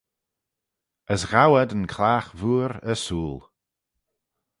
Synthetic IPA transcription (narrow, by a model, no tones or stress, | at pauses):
əsɣawədənkʰlaːxvuːɾəsuːlˠ